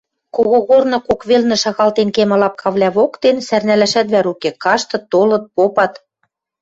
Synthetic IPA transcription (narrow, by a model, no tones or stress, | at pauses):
koɣoɣornɤ̆kokβelnɘ̆ʃɑɣɑlt̪enkemɤ̆lɑp̚kʰɑβlʲæβokt̪ensærnælæʃæt̪βæɾukekɑʃt̪ɤ̆t̪ːolɤ̆t̪̚popɑt̪